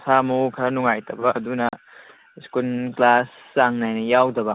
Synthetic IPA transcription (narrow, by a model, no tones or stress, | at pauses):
samukʰɐnuŋajtʰɐbɐʔːdunɐ | skunklasːaŋnajnɐjawdɐbɐ